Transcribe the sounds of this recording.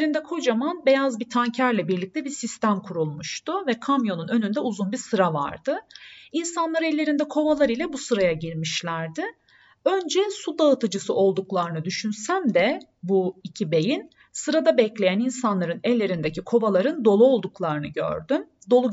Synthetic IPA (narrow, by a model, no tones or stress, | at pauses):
ɾind̪ɛkʰo̞d͡ʒamanbe̞jazbit̪ʰancʰæɾlʲɛbiɾlʲic̚t̪ʰɛbisist̪ʰæmkʰuɾulˠmuʃt̪ʊvɛkʰamjo̞nunø̞nynd̪ɛuzunbiɾsɯɾava̰ɾd̪ɯinsanlˠaɾɯɛlʲːe̞ɾind̪ɛkʰo̞valˠaɾilʲɛbusɯɾajaɟiɾmiʃlʲæɾd̪ɪ | ø̞nd͡ʒɛsud̪aɯt̪ʰɯd͡ʒɯsɯʔo̞lˠd̪uklˠaɾɯnɯd̪yʃynsæmd̪ɛ | buicʰibe̞jin | sɯɾad̪abɛclʲe̞jæninsanlˠaɾɯnɛlʲːe̞ɾind̪ecikʰo̞valˠaɾɯnd̪o̞lˠuo̞lˠd̪uklˠaɾɯnɯ̰ɟø̰ɾd̪ym | d̪o̞lˠu